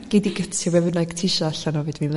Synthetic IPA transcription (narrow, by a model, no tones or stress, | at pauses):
ɡ̥ediɡətʰɪwɛvənaɡ̥tʰɪʃɔaɬanɔvɨdmin